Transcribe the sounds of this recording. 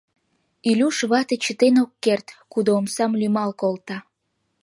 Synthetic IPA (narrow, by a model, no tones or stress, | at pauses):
ilʲuʃβɑt̪et͡ɕə̆t̪enokːert̪kud̪oːmsɑmlymɑlkolt̪ɑ